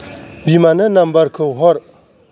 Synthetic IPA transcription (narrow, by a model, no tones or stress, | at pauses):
bimanənambaɾkʰowɦɔɾ